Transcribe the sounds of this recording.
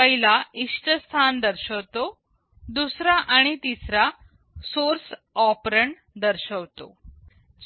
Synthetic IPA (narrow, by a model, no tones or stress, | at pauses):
əɦilaiʂʈəst̪ʰand̪əɾɕəʋt̪o | d̪usɾaʔaɽ̃it̪isɾa | soɾs | ɔpɾəɳ | d̪əɾɕəʋt̪o̰